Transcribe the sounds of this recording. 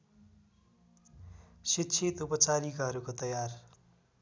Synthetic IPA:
sitt͡sʰit̪upʌt͡saɾikʌɦʌɾukot̪ʌjar

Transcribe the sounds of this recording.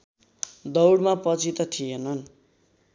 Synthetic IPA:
d̪ʌwɽmapʌt͡sit̪ʌt̪ʰijenʌn

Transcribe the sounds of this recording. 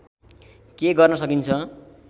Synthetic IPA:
keɡʌrnʌsʌkint͡sʰʌ

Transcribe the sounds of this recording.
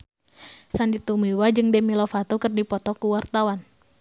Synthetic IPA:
sandit̪umiwad͡ʒɨŋdɛmilɔfat̪ukɨrdipɔt̪ɔkuwart̪awan

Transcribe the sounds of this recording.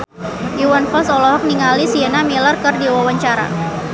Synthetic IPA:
ʔiwanfɔlsɔlɔɦɔk̚niŋalisiɛnamilərkɨrdiwawaɲt͡ʃaɾa̰

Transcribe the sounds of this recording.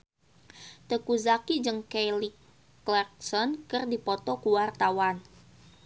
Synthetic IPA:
t̪əkuzakid͡ʒɨŋkelik | klɛrk̚sɔnkərdipɔt̪ɔkuwart̪awan

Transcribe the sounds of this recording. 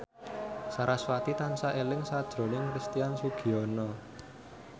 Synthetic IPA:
saɾaswat̪it̪ansaʔelɪŋsad̥ʒ̥ɾo̤nɪŋkɾist̪ijansuɡ̥i̤ɔnɔ

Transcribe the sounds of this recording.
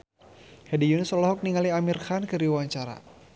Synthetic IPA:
hɛdijunəsɔlɔɦɔk̚niŋaliamirxankɨɾiwaɲt͡ʃaɾa̰

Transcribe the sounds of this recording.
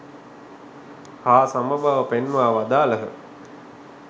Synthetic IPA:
haːsaməbʱaʋəpenʋaːʋad̪aːləɦə̰

